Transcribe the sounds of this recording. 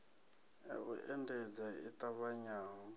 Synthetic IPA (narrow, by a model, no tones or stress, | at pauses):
ɛ̰ṵʔɛndɛd͡zaitʼaβaɲaːŋɔ